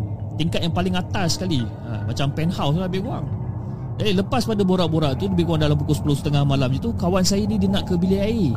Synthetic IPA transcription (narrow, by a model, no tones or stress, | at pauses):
t̪iŋkat̪̚jaŋpalɪŋat̪askali | a̰mat͡ʃampɛnhawsləbɪkua̰ŋ | d͡ʒadiləpaspadaboɾaʔboɾaʔt̪uləbɪhɡuaŋdalampukʊsə̥pulʊsət̪əŋahmalamd͡ʒit̪ukawansajanidinãʔkəbiliai